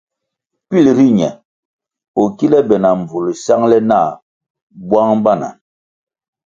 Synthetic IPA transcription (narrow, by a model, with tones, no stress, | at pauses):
pi˦˨lɾi˦ɲɛ˨ | o˨ki˦lɛ˦bɛ˨na˨ɱ˨b͡vu˨lsa˦ŋlɛ˦na˦˨ | bwa˦ŋba˦˨na̰˨